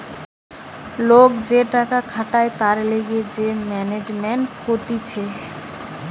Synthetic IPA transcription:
lokd͡ʑeʈakakʰaʈaet̪aɾleɡed͡ʑemɛned͡ʑmeɳʈkot̪it͡ɕʰe

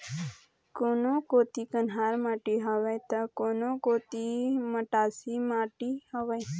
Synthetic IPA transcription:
konokoːt̪ikənɦaɾmaːʈiɦaʋajt̪akoːnokoːt̪iməʈaːsimaːʈihaʋaj

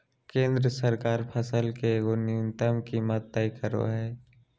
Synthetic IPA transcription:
kẽːnd̪ɾəsəɾkaːɾpʰəsəlkeɡonɪʊnt̪əmkimət̪̚ːəikəɾo̰ɦɛː

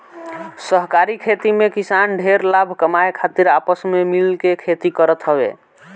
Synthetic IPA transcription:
səɦkaɾikʰet̪imekisanɖʱeɾlabʱkəmajkʰat̪iɾapəsmemilkekʰet̪ikəɾət̪ɦəbḛ

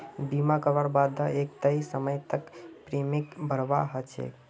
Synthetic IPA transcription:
bimakəʋəɾbad̪ʱaeːk̚t̪əisəməjt̪əkpɾeːmɪkbʱəɾʋa̰ɦət͡ʃʰḛ

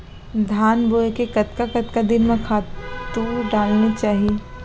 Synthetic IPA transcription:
d̪ʱaːnboːekekɐt̪kakɐt̪kad̪ɪnmẽkʰaːt̪uɖaːlnet͡ʃaːɦie

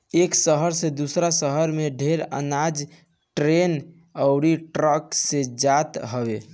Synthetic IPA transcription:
eksəɦəɾsed̪usɾasəɦəɾmeɖʱeɾə̰nad͡ʒ | ʈɾen | əʊɽiʈɾəksed͡ʒat̪ɦəbe

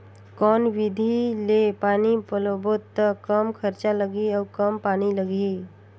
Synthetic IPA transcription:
kɔːnʋɪd̪ʱilepaːnipəlobot̪ːəkəmkʰəɾt͡ʃaləɡiɔːɾkəmpaːniləɡi

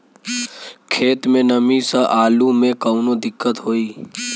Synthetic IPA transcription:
kʰeːt̪mẽnəmisəʔaːlumẽkəʊnod̪ɪkːət̪ɦoːiː

